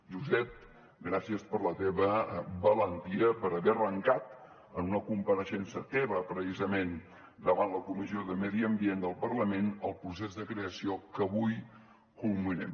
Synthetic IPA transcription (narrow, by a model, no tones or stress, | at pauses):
ʒuzɛt̪̚ | ɡɾasiəspəɾlət̪eβəbələnt̪iəpəɾəβɛrəŋkat̪ | ənunəkumpəɾəʃɛnsət̪ɛβəpɾəsizəmen | d̪əβanləkumizioðəmɛðiəmbiend̪əlˠpərləmenəlˠpɾus̬ezðəkɾeəsiokəβuj | kulˠminɛ̰m